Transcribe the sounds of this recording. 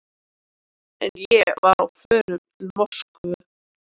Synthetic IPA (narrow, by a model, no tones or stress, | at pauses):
ɛnjɛvaɾawfœːɾʏmt̪ʰɪlmɔskʏ